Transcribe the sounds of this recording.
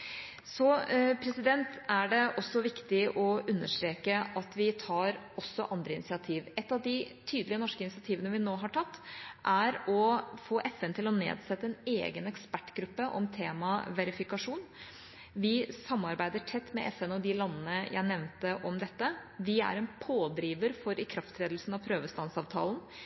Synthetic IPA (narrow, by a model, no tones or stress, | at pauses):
sɔpʰɾɛsɪd̪ɛnt̪æɖɛʔɔsːɔʋɪkt̪ɪʔɔʔʉnːəʂʈɾeːkəʔɑt̪ʋɪt̪ʰɑːɾ | ɔsːɔʔɑnd̪ɾəɪnɪsɪɑt̪ʰiːʋɛt̪ːɑʋd̪ɪt̪ʰyːd̪lɪənɔʂkəɪnɪsɪɑt̪ʰiːʋənəʋɪnoːɦɑʈʰɑt̪ːʔæɾɔfoːʔɛfɛnt̪ʰɪlɔnḛːd̪sɛt̪ːəɛnḛːɡənɛkspæʈːɡɾʉpːəʔɔ̰mt̪ʰeːmɑʋɛɾɪfɪkɑʂuːn | ʋɪsɑmːɑɾbæɪd̪əʈʰɛt̪ːmɛ̰ʔɛfɛnɔd̪ɪlɑnːənəjʔæ̰ɪnɛʋnt̪əʔɔmd̪ɛt̪ːəʋɪæ̰ɾɛnpʰoːd̪ɾiːʋəɾfɔɾɪkʰɾɑft̪ɾeːd̪l̩sn̩ɑʋpʰɾøːʋəst̪ɑnsɑːʋt̪ʰɑ̰ːln